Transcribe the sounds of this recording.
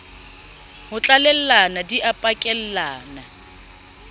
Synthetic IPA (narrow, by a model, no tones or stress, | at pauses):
hʊt͡ɬʼalɛl̩lanadiʔapʼakʼɛl̩laːna